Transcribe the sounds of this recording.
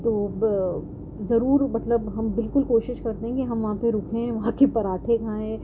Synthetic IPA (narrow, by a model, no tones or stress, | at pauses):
t̪oː | zɐɾuːɾmɐt̪ləbɦɐmbɪlkʊlkoːʃɪʃkɐɾt̪eɦɛ̃kiɦɐmʋɐɦãpeɾʊkʰẽʋɐɦãkepɐɾaːʈʰeɡʰʱãːẽː